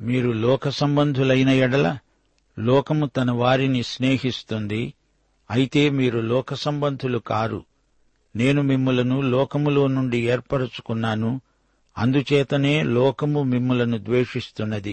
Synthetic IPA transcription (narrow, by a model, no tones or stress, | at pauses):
miːɾulɔːkɐsɐmbɐnd̪ʱulɐjnɐjɛɽɐlɐ | lɔːkɐmut̪ɐnɐʋaːɾinisne̞ːɦist̪und̪i | ɐjit̪e̞ːmiːɾulɔːkɐsɐmbɐnd̪ʱulukaːɾṵ | ne̞ːnumimːulɐnulɔːkɐmulo̞ːnuɳɖieːɾpɐɽut͡ʃu̥kunːaːnu | ɐ̰nd̪ut͡ʃɛːt̪ɐne̞ːlɔːkɐmumimːulɐnud̪ʋe̞ːʂist̪unːɐd̪i